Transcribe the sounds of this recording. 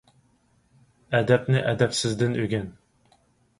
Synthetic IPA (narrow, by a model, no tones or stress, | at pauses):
ɛd̪ɛpnɪʔɛd̪ɛpsɪzd̪ɪnøɡʲɛn